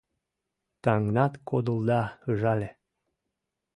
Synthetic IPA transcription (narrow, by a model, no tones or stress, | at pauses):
t̪ɑŋnɑt̪kʰod̪ə̆ld̪ɑɤʒɑlʲe